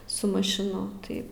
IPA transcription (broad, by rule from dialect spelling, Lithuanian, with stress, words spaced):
sʊ mɐʃʲɪˈnʊ ˈtɐɪ